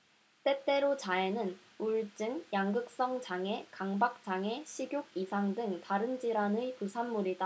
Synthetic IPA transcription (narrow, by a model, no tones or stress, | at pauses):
t͈e̞t͈e̞ɾot͡ɕaenɯn | uɭt͡ɕ͈ɯŋjaŋɡɯk̚s͈ʌŋt͡ɕaŋe̞kaŋbak̚t͡ɕ͈aŋe̞ɕʰiɡjoɡ̚isʰaŋdɯŋtaɾɯnd͡ʑiɾanɯpusʰanmuɾida